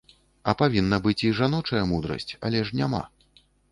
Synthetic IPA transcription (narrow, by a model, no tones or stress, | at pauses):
ɐpavʲinːɐbɨt͡sʲiʐanɔt͡ʂɐjɐmud̪ɾɐ̰sʲt͡sʲɐ̰lʲɛʂnʲama̰